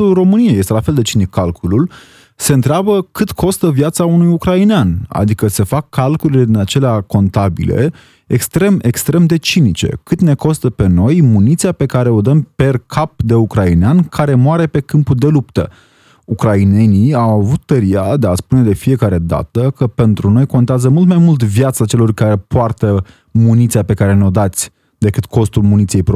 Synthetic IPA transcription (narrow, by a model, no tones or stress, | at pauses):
ulro̞mɨnijejest̪elafe̞ld̪e̞t͡ʃinikʰːalkʰulul | se̞ɨnt̪ɾeabəkɨt̪kʰo̞st̪əvjat̪saunujukɾaineana̰d̪ikəse̞fakʰːalkulile̞d̪inat͡ʃe̞leako̞nt̪abḭle̞̰ | ḛkst̪ɾe̞me̞kst̪ɾe̞md̪e̞t͡ʃinit͡ʃe̞̰kɨt̪ne̞ko̞st̪əpe̞no̞jmunit̪siape̞kaɾe̞o̞d̪əmpe̞rkʰap̚d̪e̞ukɾaineankʰaɾe̞moaɾe̞pe̞kɨmpuld̪e̞lupt̪ə̰ | ukɾaine̞niawavut̪ːəɾiad̪e̞aspune̞d̪e̞fie̞kaɾe̞d̪a̰t̪əkəpe̞nt̪ɾuno̞jko̞nt̪eazəmult̪majmult̪vjat̪sat͡ʃe̞lo̞rkaɾe̞poart̪ə | munit̪siape̞kaɾe̞neo̞d̪at̪sʲ | d̪e̞kɨt̪kʰo̞st̪ulmunit̪sije̞jpɾ